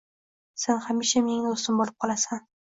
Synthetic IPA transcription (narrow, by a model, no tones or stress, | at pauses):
se̞nhamiʃamenɪŋɪost̪ɪmbolˠɪp̚qʰɒlˠasan